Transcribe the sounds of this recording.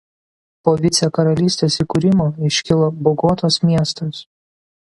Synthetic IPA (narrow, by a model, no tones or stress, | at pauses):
poːʋʲɪt̪sʲɛkɐɾɐlʲiːsʲt̪ʲeːsiːkʊɾʲɪmoːɪʃʲkʲɪlˠoːbɔɡoːt̪oːsmʲiɛst̪os